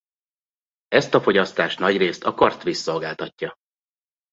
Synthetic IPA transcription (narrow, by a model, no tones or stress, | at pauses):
ɛst̪ɒfo̞ɟɒst̪aːʃt̪nɒɟreːst̪ɒkɒrt̪ʋisːo̞lɡaːlt̪ɒcːɒ